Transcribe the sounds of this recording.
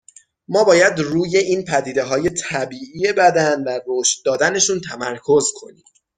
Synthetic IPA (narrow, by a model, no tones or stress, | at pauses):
mɒːbɒːjæd̪ruːje̞ʔiːnpʰæd̪iːd̪e̞ɦɒːje̞t̪ʰæbiːʔiːjebæd̪ænværoːʃt̪̚d̪ɒːd̪æne̞ʃuːnt̪ʰæmæɾkʰo̞zkʰo̞̰niːm